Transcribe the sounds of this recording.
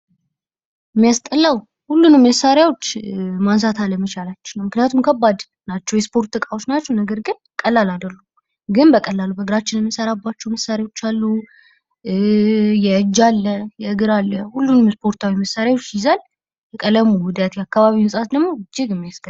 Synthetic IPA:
ɨmːijast̪ʼəlːaw | hulːunɨmːəsːaɾjawo̞t͡ʃːmans̬at̪ʰaləmət͡ʃalat͡ʃːɛnəwmɨknijat̪ʰumkʰəbːad̪ | nat͡ʃːɛwjɛspʰo̞ɾt̪ːɨkʼawot͡ʃnat͡ʃːɛwnəɡəɾɡɨn | kʼəlːalad̪əlːu | ɡɨnbəkʼəlːalubəɡɨɾat͡ʃːɪnɛmːəsəɾabːat͡ʃːɛwməsaɾjawo̞t͡ʃːalːu | jɛɨd͡ʒːalːəjɛɨɡɨɾalːəhulːunɨmjspʰo̞ɾt̪ʰawiməsːaɾjawot͡ʃːjɪzal | jɛkʼələmuwʊd̪ət̪jɛakːaβaβimɨsʼat̪d̪əɡmo̞ɨd͡ʒɪɡɨmːijast̪ʼə

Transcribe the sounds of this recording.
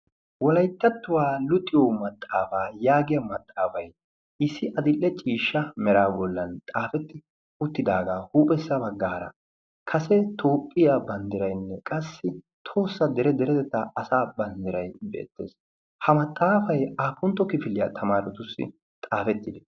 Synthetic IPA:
wɔlɐjt̪ːɐt̪ːʊwaːlʊt̪ʼːɪjɔmɐt̪ʼːaːfaːjaːɡɪjɐmɐt̪ʼːaːfɐj | ʔɪsːɪʔɐd̪ɪlːɛt͡ʃʼiːʃːɐmɛɾaːbɔlːɐnt̪ʼaːfɛt̪ːɪ | ʊt̪ːɪd̪aːɡaːhuːpʼɛsːɐbɐɡːaːɾɐ̰ | kʰɐsɛt̪ʰoːpʼːɪjabɐnd̪ɪɾɐjnːɛkʼɐsːɪ | t̪ʰo̞ːsːɐd̪ɛɾɛd̪ɛɾɛt̪ɛt̪ːɐʔɐsaːbɐnd̪ɪɾɐjbḛːt̪ːe̞̰ːs | hɐmɐt̪ʼːaːfɐjaːpːʊnt̪ːɔkɪfɪlɪjɐt̪ʰɐmaːɾɛt̪ʊsːɪ̰ | t̪ʼaːfɛt̪ːɪd̪ɛ̥

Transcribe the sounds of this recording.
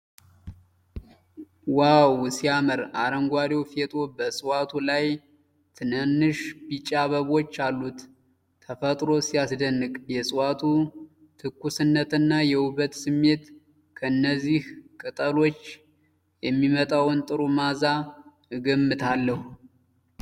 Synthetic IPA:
wawsijaməɾaɾəŋɡʷaɾewfet̪ʼobəsʼɨwat̪ʰulaj | t̪ʰɨnɨnːɨʃbit͡ʃʼaβəβo̞t͡ʃːalːut̪ːʰ | əfət̪ʼɾo̞sijasd̪ənːɨkʼjɛsʼɨwat̪ʰu | t̪ʰɨkːusɨnːət̪ɨnːajɛuβət̪sɨmːe̞t̪ | kʰəɨnːəzːihkʼɨt̪ʼəlo̞t͡ʃː | jɛmːimət̪ʼawɨnt̪ʼɨɾumaza | ɨɡəmːɨt̪ʰalːəhu

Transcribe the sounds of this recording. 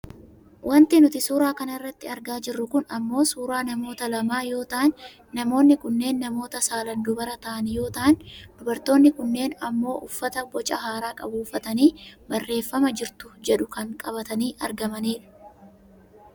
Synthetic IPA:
wʔɐnt̪ɪnʊt̪ɪsuːɾaːkɐnɐɪrːɐt̪ːɪɐɾɡaːd͡ʒɪrːʊkʊnɐmːo̞ːsuːɾaːnɐmo̞ːt̪ɐlɐmaːjo̞ːt̪ɐʔnː | ɐmo̞ːnːɪkʊnːe̞ːnːɐmo̞ːt̪ɐsaːlɐnd̪ʊbɐɾɐt̪ɐʔɐnjo̞ːt̪ɐʔnd̪̥ʊbɐɾt̪o̞ːnːɪkʊnːe̞ːnɐmːo̞ːʔʊfːɐt̪ɐbɔt͡ʃʼɐɦaːɾaːkʼɐbuːfːɐt̪ɐniːbɐrːe̞ːfːɐmɐd͡ʒɪɾt̪ʊd͡ʒɛᶑʊkɐŋkʼɐbɐt̪ɐniːʔɐɾɡɐmɐniːᶑɐ̥

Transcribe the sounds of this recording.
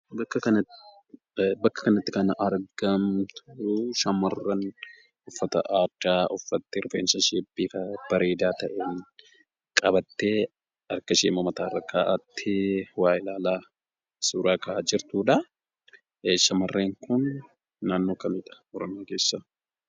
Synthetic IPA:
bɐkːɐkɐn | bɐkːɐ̥kɐnɐt̪ːɪkɐnɐʔɐɾɡɐmt̪ʰʊʃɐmɐrːɐn | ʊfːɐt̪ɐ̰ʔaːdːaːʔʊfːɐt̪ːɪɾʊfeːnsɐʃeːbiːkɐb̥ɐɾe̞ːd̪aːt̪ɐʔeːn | kʼɐbɐt̪ːeː | ɐɾkɐʃeːmɐmɐt̪aːrːɐkːaːʔɐt̪ʰːewaːjɪlaːlaː | suːɾaːkɐaad͡ʒɪɾt̪uːᶑɐ | ʃɐmɐrːeːŋkʊnː | aːnːoːkɐmɪᶑ̪ɐ̥ɔɾɔmɪjaːke̞ːsːa

